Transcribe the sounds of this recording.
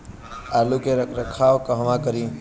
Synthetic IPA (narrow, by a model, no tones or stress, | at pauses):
aːlukeɾəkʰaːʋkəɦʋãːkəɾĩː